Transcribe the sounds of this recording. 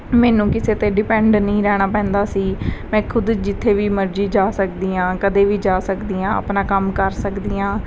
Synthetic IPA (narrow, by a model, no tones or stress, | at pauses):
mɛːnũːkɪseːt̪eːɖɪpɛ̃ːɳɖnəĩːɾɛːɽ̃aːpɛ̃ːnd̪aːsiːmɛ̃ːkʰʊd̪d͡ʒɪt̪ʰːeːʋiːməɾd͡ʒiːd͡ʒaːsəkd̪iːãːkəd̪eːʋiːd͡ʒaːsəkd̪iːãːə̰pnaːkəmkəɾsəkd̪iːãː